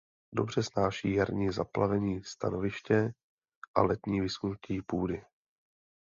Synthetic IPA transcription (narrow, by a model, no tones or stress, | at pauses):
do̞br̝̥ɛsnaːʃiːjaɾɲiːzaplavɛɲiːst̪a̰no̞vɪʃcɛ | ʔa̰lɛt̪ɲiːvɪsunciːpuːdɪ